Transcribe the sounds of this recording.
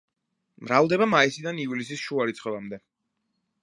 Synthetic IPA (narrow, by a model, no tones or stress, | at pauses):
mɾavd̪ɛbamaisid̪aniuvlisisʃuaɾit̪sʰχɔvamd̪ɛ